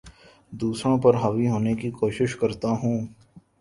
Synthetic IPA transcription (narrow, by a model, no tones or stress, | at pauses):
d̪uːsɾõpɐɾɦɐʋiɦoːnekikoːʃɪʃkɐɾt̪aɦũː